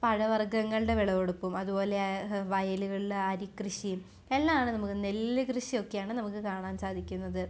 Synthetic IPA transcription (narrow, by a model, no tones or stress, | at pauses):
pɐɻɐʋɐrɡɐŋːɐɭɨɽe̞ʋiɭɐʋoɽupːumɐðupo̞ːle̞ʋɐjɐluɣɐɭileɐɾikrɨʂijum | elːamaːɳɨnɐmukːɨnelːɨkrɨɕio̞kːe̞jaːɳɨnɐmukːɨkaːɳaːmsaːd̪ʱikʲːunːɐðɨ